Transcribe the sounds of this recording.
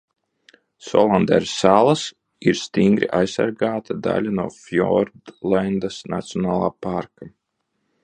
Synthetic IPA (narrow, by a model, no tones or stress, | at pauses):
sɔ̰lˠand̪ɛ̰ɾsːaːlˠas | iɾst̪iŋɡɾḭʔajsa̰ɾɡaːt̪ʰad̪a̰lʲanuɔːfjɔɾd̪land̪asnat̪sijɔnaːlˠaːpaɾka